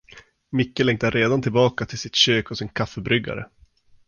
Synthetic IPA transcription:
mɪkːəlɛŋt̪aɾʔeːd̪ant̪ʰɪlbɑːkat̪ʰɪlsɪt̪ɕøːkɔsɪnkʰafːəbɾʏɡa̰ɾə̰

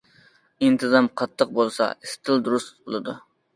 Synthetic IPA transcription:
int̪ʰɨzɑmqʰɑt̪ʰːəq̚bolˠsɑ̰ist̪ʰɨlˠd̪uɾust̪bolˠɨd̪u

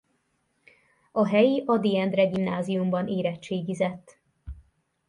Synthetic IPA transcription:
ɒɦɛjiʔɒd̪iɛnd̪rɛɡimnaːzijumbɒneːɾɛt͡ʃt͡ʃːeːɡizɛt̪ː

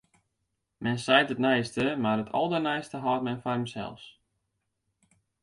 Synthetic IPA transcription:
mɛnsɛjtətnɛjstəmarətʰɔ̰lˠdərnɛjstəɦɔːtmɛnfɔrɦəmsɛ̰lˠs

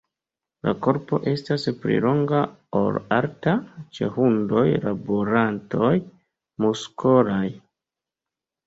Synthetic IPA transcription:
lako̞ɾpo̞̰ʔe̞staspɾḭlo̞ŋɡaolaɾtat͡ʃe̞̰hundo̞jlaboɾanto̞j | muskʰoɾaj

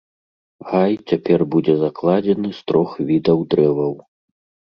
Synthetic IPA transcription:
ɣajt͡sʲapʲɛrbud͡zʲɛzaklˠad͡zʲɛnɨst̪ɾɔxvʲid̪ɐwd̪ɾɛvɐw

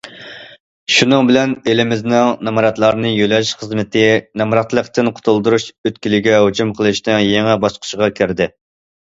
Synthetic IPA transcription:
ʃunɨŋbɪlɛnelɪmɪznɪŋnɛmɑɾɑt̪lˠɑɾnɨjølɛʃχəzmɪt̪ʰɪnɑmɑɾɑt̪lˠəqt̪ɨnqʰʊ̥t̪ʰʊlˠd̪uɾuʃøt̪̚kʲilɪɡʲɛɦud͡ʒumqʰəlˠɨʃnɨŋjeŋɛbɑsqʰʊ̥ʃəʁɑkʲʰɪɾd̪ɪ

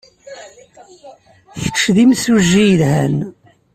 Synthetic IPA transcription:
θəʃðimsuʒːijəlhæn

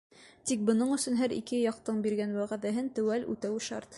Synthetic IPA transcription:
t̪ik̚bɤ̆nɤɴɵ̆sɵnɦæɾḭkɘjɑq̚t̪ɤɴbiɾɡænwæʁæðæɦɘnt̪ɵ̆wælʉ̰t̪æwɘʃɑ̰ɾt̪

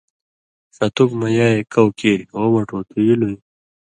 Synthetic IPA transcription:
sɐt̪ukmɐjaːekɐwkeːɾiɣomɐʈoːt̪ʰujilui

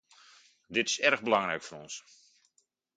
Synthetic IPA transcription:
dɪtɪ̥sɛrəɣbəlɑŋrɛjkfoɾɔns

